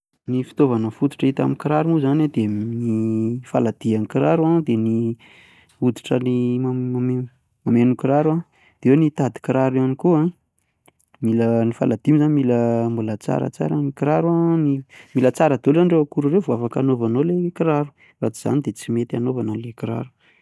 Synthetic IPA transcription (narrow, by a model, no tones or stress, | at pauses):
nifi̥t̪ovanəfud̪i̥ʈ͡ʂəit̪a̰mikiɾaɾumuzanad̪enifalad̪̥ianikiɾaɾuad̪eni | ud̪iʈ͡ʂənimaame | mamenukiɾaɾua | d̪̥eewnit̪ad̪i̥kiɾaɾanikuã | milənifa̰lad̪imizanimiləmbulət͡sa̰ɾə̰t͡sa̰ɾənikiɾaɾuanimilət͡saɾəd̪olzaniɖ͡ʐeakuɾurewvuafakanovanolekiɾaɾu̥ | rat͡siz̥a̰nid̪et͡simet̪ia̰novanəlekiɾa̰ɾu̥